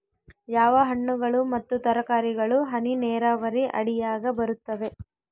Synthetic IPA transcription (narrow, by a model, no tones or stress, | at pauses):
jaːʋɐɦɐɳːuɡɐɭumɐt̪ːut̪ɐɾɐkaːɾiɡɐɭuɦɐninɛːɾaːʋɐɾiʔɐ̰ɽijaːɡɐbɐɾut̪ːɐʋe̞